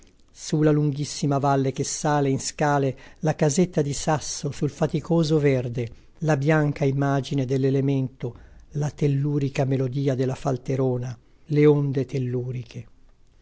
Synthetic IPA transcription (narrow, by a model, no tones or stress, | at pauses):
sulaluŋɡisːimavalːek̟esːaːleinskaːlelakazet̪ːad̪isasːosulfat̪ikʰoːzoverd̪e | labjaŋkaimːaːd͡ʒined̪elːelement̪olat̪elːuːɾikamelod̪iːad̪elːafalt̪eɾoːna | leond̪et̪elːuːɾikʰe